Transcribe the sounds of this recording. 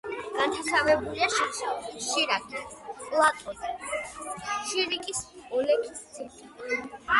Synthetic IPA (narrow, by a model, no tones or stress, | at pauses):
ɡ̥ant͡ʃ̪ʰasʰavɛbuliaʃiʃiɾakʼipʼlˠat̪ʼɔni | ʃiɾikʼisɔlɛkʰʼissʰiɾt̪ʼi